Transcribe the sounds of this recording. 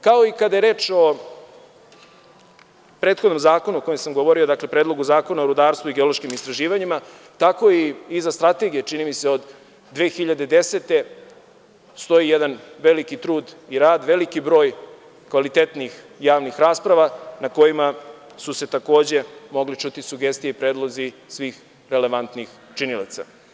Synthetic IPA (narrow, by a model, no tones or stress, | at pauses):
kao̞ikad̪ajeɾe̞ːt͡ʃo̞ | pɾe̞ːt̪xod̪no̞mzaːko̞nuoko̞jemsamɡo̞ʋo̞ɾio̞d̪akle̞pɾeːd̪lˠo̞ɡuzaːko̞naoɾud̪aːɾst̪vuiɡeo̞lˠo̞ʃkimist̪ɾaʒiːʋaɲima | t̪ako̞iːzast̪ɾat̪e̞ɡijet͡ʃinimise̞od̪ː | ʋe̞ːxiʎad̪e̞d̪e̞set̪e̞ | st̪o̞jijed̪anʋe̞likit̪ɾuːd̪iɾaːd̪ʋe̞likibɾo̞ːj | kʋalit̪et̪nix | jaːʋnixɾaːspɾaʋanako̞jima | suse̞t̪ako̞ːd͡ʑe̞mo̞ɡlit͡ʃut̪isuɡe̞st̪ijeipɾe̞ːd̪lˠo̞zi | sʋiːx | ɾe̞le̞ʋant̪nixt͡ʃinila̰t̪sa̰